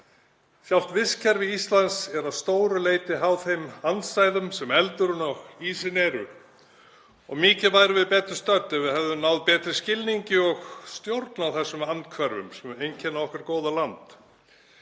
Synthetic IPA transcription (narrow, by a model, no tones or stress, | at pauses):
sjawl̥t̪vɪscʰɛɾvɪist̪lansɛɾaðst̪oːwɾʏleːjt̪ɪɦawθejmansajðʏmsɛmɛlt̪ʏɾʏnɔɣiːsɪnɛɾʏ | ɔ̰ɣmɪːcɪvajɾʏvɪðpɛːt̪ɾʏst̪œt̪ːɛvɪðhɛvðʏmnawðpɛːt̪ɾɪscɪlniɲcɪɔɣst̪jowɾt̪nawθɛsːʏmankʰvɛɾvʏ̰msɛmejncʰɛnːavɔhkaɾkowðalant̪